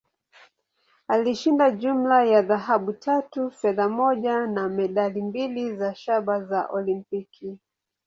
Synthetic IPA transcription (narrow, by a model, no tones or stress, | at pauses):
aliʃindaʄum̩lajaðaɦaɓutʰatufɛðamɔʄanamɛɗalimbilizaʃaɓazaʔɔlimpikʰi